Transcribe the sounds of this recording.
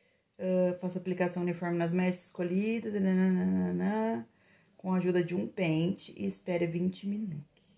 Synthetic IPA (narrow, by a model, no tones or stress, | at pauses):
ɛfasaplikasɐ̃w̃ũnifɔɾmɪnɐzmɛʃɪskoʎid̪ɐzinɐnɐ̃nɐ̃nɐnɐ̃ | kõaʒud̪ɐd͡ʒɪũpẽt͡ʃɪʔɪ̰ːspɛɾɐvĩnt͡ʃɪminut̪ʊ̥s